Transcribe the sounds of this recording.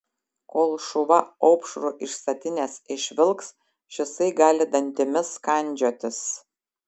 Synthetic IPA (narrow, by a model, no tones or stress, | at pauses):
koːlˠʃʊʋɐɐʊpʃɾuʔɪʃst̪ɐt̪ʲɪnʲeːsɪʃʲʋʲɪlˠks | ʃʲɪsɐɪɡɑːlʲɪd̪ɐnʲt̪ʲɪmʲɪskɐnʲˑd͡ʒʲoːt̪ʲɪs